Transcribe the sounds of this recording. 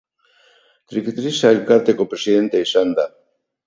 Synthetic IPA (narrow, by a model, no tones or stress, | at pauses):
t̪ɾikt̪ɾisaelkaɾt̪ekopɾesiðent̪eisand̪a